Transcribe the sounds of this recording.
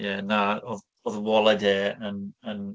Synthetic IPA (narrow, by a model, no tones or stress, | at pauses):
jɛnaɔð | ɔðəwɔlˠɛdɛːənən